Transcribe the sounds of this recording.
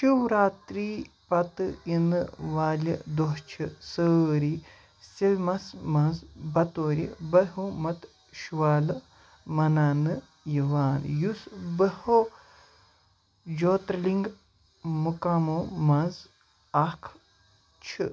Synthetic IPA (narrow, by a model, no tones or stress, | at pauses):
ʃiwɾaːt̪ɾi | pɐt̪ɨinɨʋaːlʲḭd̪oɦt͡ʃʰisəɾi | silmɐsmɐzbɐt̪oːɾʲḭbɐɦomɐt̪ | ʃuʋaːlɨ | mɐnaːnɨ | jiʋaːnjusbəho | d͡ʒoːt̪ɾliŋɡ | mukamomɐz | ɐkʰ | t͡ʃʰḭ